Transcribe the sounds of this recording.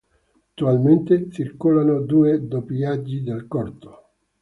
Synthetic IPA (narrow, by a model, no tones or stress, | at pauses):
at̪ːualment̪et͡ʃirkolanod̪uːed̪opliad͡ʒːid̪elkɔrt̪o̥